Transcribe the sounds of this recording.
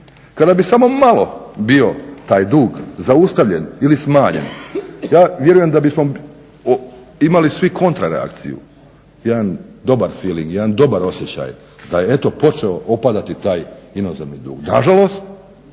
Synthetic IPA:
kad̪abisamo̞malo̞bio̞t̪aːjd̪uːɡzaust̪aʋʎe̞nilismaːɲḛnjaːʋje̞ɾujemd̪abismo̞ | imalisʋikʰo̞nt̪ɾaɾea̰kt̪sḭjṵ | jed̪and̪o̞baɾfiːlḭŋɡjed̪and̪o̞baɾo̞sje̞t͡ɕa̰j | d̪aje̞e̞t̪o̞po̞t͡ʃe̞oʔopad̪at̪it̪aːjino̞zeʋnid̪ṵːɡnaʒalˠo̞st̪̚

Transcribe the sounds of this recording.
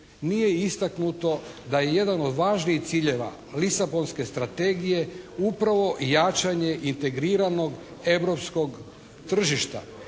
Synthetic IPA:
nije̞ist̪aknut̪o̞ | d̪aje̞je̞d̪ano̞d̪ʋaːʒniixt̪siːʎe̞ʋa̰ | lisabo̞nske̞st̪ɾat̪e̞ːɡije̞upɾaʋo̞jat͡ʃaɲe̞ʔint̪e̞ɡɾiːɾano̞ɡ | e̞ʋɾo̞psko̞ɡ | t̪r̩ʒiʃt̪a̰

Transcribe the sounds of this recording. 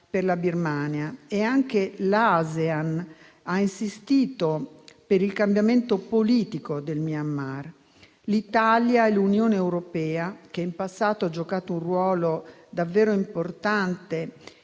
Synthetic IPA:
perlabirmaːnjaeaŋk̟elazean | ainsist̪iːt̪opeɾilkambjament̪opoliːt̪ikod̪elmiamːar | lit̪aljaɛlunjoːneːwɾopɛːak̟eimpasːaːt̪oad͡ʒːokaːt̪oũnrwɔːlod̪avːeːɾoimport̪ant̪e

